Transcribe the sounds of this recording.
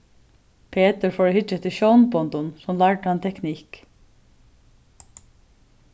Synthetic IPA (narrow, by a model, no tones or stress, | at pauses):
pʰeːt̪əɹfoːɹhɪət̪ʰɪʃɔʊnbɔnd̪ʊnsɔmlɑɹʈhɑnt̪ʰɛknik